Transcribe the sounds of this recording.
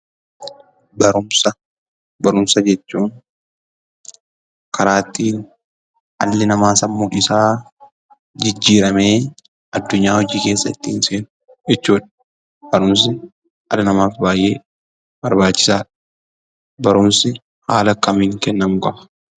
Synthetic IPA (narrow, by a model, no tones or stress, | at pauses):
bɐɾʊmsɐ | bɐɾʊmsɐd͡ʒɛt͡ʃːuːn | kɐɾaːt̪ːiːn | ʔɐ̰lːɪnɐmaːsɐmːuːᶑɪsaː | d͡ʒɪd͡ʒːiːɾɐme̞ː | ɐd̪ːʊɲːaːhɔd͡ʒiːke̞ːsːɐt̪ːɪɪnseːnʊ | ɪt͡ʃːuːᶑɐ̥ | b̥ɐɾʊms̬ɪ | ɐ̰lːɪnɐmaːfbaːjʔe̞ː | bɐɾbaːt͡ʃːɪ̥saːᶑɐ̥ | bɐɾʊmsɪ | haːlɐkɐmiːŋkɛnːɐmʊkɐɐ̥